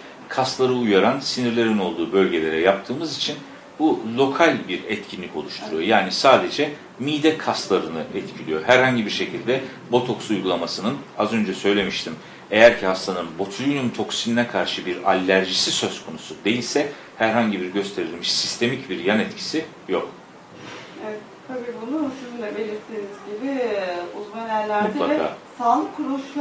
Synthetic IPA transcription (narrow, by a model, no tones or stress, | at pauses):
kʰast̪lˠaɾɯujaɾansiniɾlʲe̞ɾino̞lˠd̪uːbø̞lʲɟe̞lʲe̞ɾɛjap̚t̪ʰɯːmɯzit͡ʃʰin | bulʲˠo̞kʰalʲbiɾɛt̪cʰinlʲico̞lˠuʃt̪ʰuɾujo̞jaːnisaːd̪e̞d͡ʒɛ | miːd̪ɛkʰast̪lˠaɾɯnɯʔɛt̪cʰilʲijo̞ɦæɾhaɲɟibiɾʃe̞cʰilʲd̪ɛ | bo̞t̪ʰo̞ksujɡulˠamasɯnɯnazø̞nd͡ʒɛsø̞jlʲe̞miʃt̪ʰim | e̞jæɾcʰihast̪ʰanɯnbo̞t̪ʰujynymt̪ʰo̞ksininɛkʰaɾʃɯbiɾa̰lʲːæɾʒisisø̞z̥kʰo̞nusud̪e̞jilʲsɛ | hæɾɦaɲɟibiɾɟø̞st̪ʰe̞ɾilʲmiʃsist̪ʰe̞micbiɾjanɛt̪cʰi̥si | jo̞k | ɛɛt̪ | t̪ʰabiːbunuʃunynlʲɛbe̞lʲiɾt̪ʰinizɟibiuzmanæɾlʲæɾmud̪lˠakʰa̰ːsanˠkʰɾoʃ